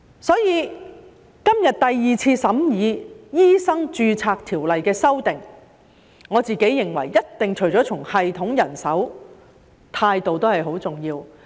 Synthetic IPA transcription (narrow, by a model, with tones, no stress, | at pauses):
sɔː˨˥jiː˨˧ | kɐ˥mjɐ˨t̪̚t̪ɐ˨jːiː˨t͡sʰiː˧sɐ˨˥mjiː˨˧jiː˥sɐ˥ŋt͡ʃyː˧t͡sʰaː˧k̚t̪ʰiː˨˩wlɐ˨jkɛː˧sɐ˥wt̪ɪ˨˩ŋ | ŋɔː˨˧t͡siː˨ke˨˥jːɪ˨˩ŋwɐ̰˨˩jːɐ˥t̚t̪ɪ˨ŋt͡ʃʰɵ˨˩ɥjt͡ʃɔː˨˥t͡ʃʰʊ˨˩ŋhɐ˨jt̪ʰʊ˨˥ŋjɐ˨˩nsɐ˨˥w | t̪ʰaː˧jt̪o˨wt̪o˥hɐ˨jɦo˨˥wt͡sʊ˨˩ŋjiː˧w